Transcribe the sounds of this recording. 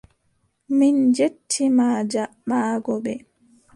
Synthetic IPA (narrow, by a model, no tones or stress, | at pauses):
mind͡ʒetʰːimaːd͡ʒa | ɓaːɡɔɓɛ